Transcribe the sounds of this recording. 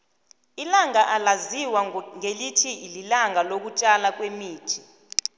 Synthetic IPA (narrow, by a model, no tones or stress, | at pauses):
ilaŋaʔalaziwaŋelitʰiililaŋalok̬ut͡ʃʼalak̬wemiːtʰi̥